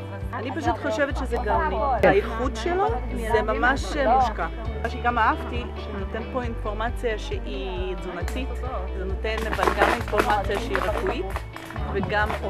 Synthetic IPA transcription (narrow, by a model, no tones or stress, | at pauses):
anipaʃutχo̞ʃevetʃezeɡaʁniailχudʃelozemamaʃemuʃka | aʃeɡamaafti | note̞npo̞info̞ʁmat͡sijaʃeʔi | zunatitzeno̞te̞nbalɡaminfo̞ʁmat͡sijaʃeiʁefuit | veɡam